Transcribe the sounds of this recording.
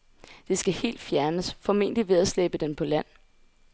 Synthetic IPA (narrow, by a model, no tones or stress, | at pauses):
d̥e̝sɡ̥æhe̝̰ːld̥fjæɐnəsfɒ̽me̝ːn̰d̥iʋe̝ð̞ˠɐsleb̥əd̥enpʰɒ̽læn̰